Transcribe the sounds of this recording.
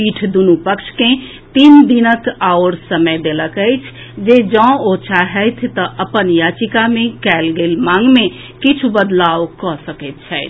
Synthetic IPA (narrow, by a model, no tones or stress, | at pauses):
piʈʰd̪unupəkʃʰkẽ | t̪ind̪inəkawɾsəməjd̪eləkəɪt͡ʃʰ | d͡ʒed͡ʒɔ̃ot͡ʃʰaɦɛjt̪ʰt̪əʔəpənjat͡ʃikamẽkɛlɡelmaŋɡme | kit͡ʃʰubəd̪lawkɔsəkət̪̚t͡ʃʰɛɪt̪ʰ